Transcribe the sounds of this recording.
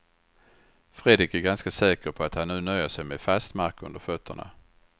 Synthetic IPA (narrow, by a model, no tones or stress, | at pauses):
fɾeːd̪ɾɪkæɾɡanskasɛːkəɾpʰɔat̪hanːʉ̟ːnœjəʂɛjmefast̪maɾkɵnd̪əɾfœt̪ʰːə̰ɳa̰